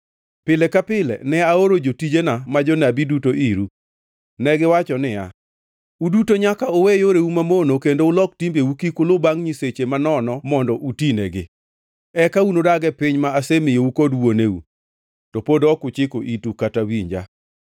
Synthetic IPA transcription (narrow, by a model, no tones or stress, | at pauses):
pɪlɛkapɪlɛ̰nɛaoɾod͡ʒotid͡ʒenamad͡ʒɔnabidutoʔiɾu | nɛɡɪwat͡ʃɔnɪja̰ | udutoɲakaowejoɾeumamonokendoʊlɔk̚timbeukikʊlʊbaŋɲiset͡ʃemanɔnɔmɔndɔʔutinɛɡɪ̰ | ɛkaunodaɡɛpɪɲmaːsemɪjeukodwoneṵ | tɔpodɔkʊt͡ʃɪkoʔitukatawiɲd͡ʒa̰